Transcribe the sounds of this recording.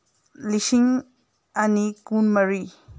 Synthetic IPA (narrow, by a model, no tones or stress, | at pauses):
lisiŋ | anikunmɐɾi